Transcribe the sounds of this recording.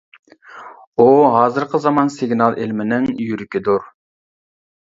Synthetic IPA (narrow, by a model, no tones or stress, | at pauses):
uɦɑːzɨɾqʰəzɑmɑnsɪɡnɑlˠʔɪlmɪnɪŋjyɾykʲid̪uɾ